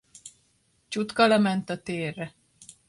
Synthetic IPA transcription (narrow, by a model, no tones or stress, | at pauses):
t͡ʃut̪kɒlɛmɛnt̪ɒt̪eːrːɛ